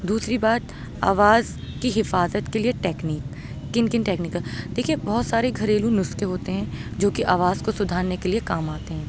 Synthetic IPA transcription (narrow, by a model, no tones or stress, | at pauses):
d̪uːsɾibaːt̪ | a̰ːʋaːz | kiɦɪfaːzət̪kelieʈɛːkniːk | kɪnkɪnʈɛːknɪːkəld̪eːkʰiebɔːt̪saːɾeɡʱɐɾeːlũnʊskeɦoːt̪eɦɛ̃ːd͡ʒoːkiʔaːʋaːzkosʊd̪ʱaːɾnekeliekaːmaːt̪eɦɛ̃ː